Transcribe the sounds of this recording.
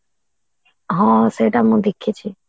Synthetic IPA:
ɦãːseːʈamũːd̪ekʰːet͡ʃʰiː

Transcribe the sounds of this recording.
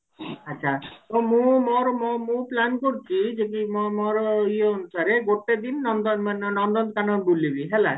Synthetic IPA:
atːʃʰat̪ɔmũmɔɾɔmɔmũplankɔɾit͡ʃʰid͡ʒeʈimɔmɔɾɔieɦonusaɾeɡoʈed̪inːɔnd̪ɔnmanɔnɔnd̪ɔnt̪kanɔɖulebiɦela

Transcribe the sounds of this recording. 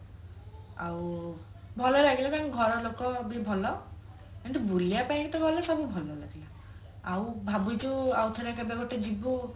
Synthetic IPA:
aw | bʱɔlɔlaɡilat̪akɡʱɔɾɔɾlokɔbibʱɔlɔ | ɛnʈ̪ubuliapajkit̪ɔɡɔlesɔbubʱɔlɔlaɡila | awbʱabujd͡ʒuawt̪ʰɔɾɛkabɛɡɔʈed͡ʒibu

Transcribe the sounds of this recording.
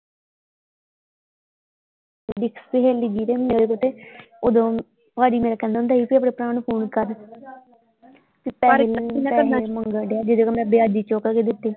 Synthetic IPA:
ɖɪkseɦeːlid͡ʒiːɾeːed̪eːkʊt̪eː | oːd̪õː | paːɽiːmeːɾaːkɛ̃ːnd̪aʊnd̪aːiːpiːəp̬ːɽ̃eːpɾaːnpʰoːnkəɾ | t̪eːpɛpɛaməŋɡəɖejaːd͡ʒɪd̪oːkəmɛ̃ːbɪaːd͡ʒiːt͡ʃɔːkaːked̪ɪt̪ːeː

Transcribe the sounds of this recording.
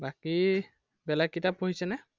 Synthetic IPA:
baki | bɛlakːitapoɦisɛnɛ

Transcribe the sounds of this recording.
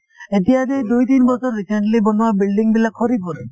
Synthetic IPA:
et̪iad̪ed̪ujt̪inbɔt͡ʃʰɔɾːiseɳʈlibonuabilɖiŋbilakʰɔɾipɔɾe

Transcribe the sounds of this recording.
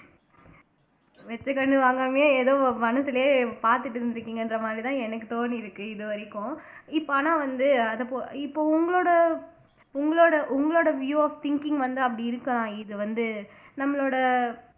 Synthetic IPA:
ʋɛt͡ʃːɐkɐɳːɯʋaːŋɡɐmeːeːðoːmɐnɐsɯlɐjeːpaːɾt̪ɯʈːɯɾɯnd̪ɪɾɯkːiːŋɡɐɛndrɐmaːd̪ɾit̪ãːɛnɐkːɯt̪oːniɪɾɯkːɯɪðɯʋɐɾɪkːõɪpːonãːʋɐnd̪ɯɐðɐpoɪpːoːʊŋɡɐɭoːɽɐ | ʊŋɡɐɭoːɽɐʔʊŋɡɐɭoːɽɐʋjuːaːft̪ɪŋkɪŋɡʋɐnd̪ɯɐp̬ːɐɽiɪɾɯkːɐlãːɪðɯʋɐnd̪ɯ | nɐmːɐɭoːɽɐ

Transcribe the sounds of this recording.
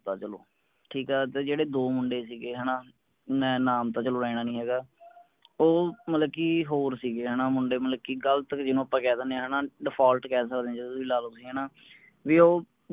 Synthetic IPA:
t̪aːt͡ʃəlo̰ː | ʈʰiːkɛːt̪eːd͡ʒeːɽeːd̪oːmʊɳɖeːsiːɡeːɦɛːnaː | mɛ̃ːnaːmt̪ãːt͡ʃəloːɾɛːɽ̃aːnĩːɦɛːɡaː | oːmət̪ləbkiːɦoːɾsiːɡeːɦɛːnaːmʊɳɖeːmət̪ləb̚kiːɡəlt̪əkd͡ʒɪnũːəpːãːkɛːd̪ənẽːɦɛːnãːɖɪpʰaːlʈkɛːs̬əkd̪ẽːd͡ʒt̪ʊsĩːlaːloːsiːɦɛːnaː | ʋiːoː

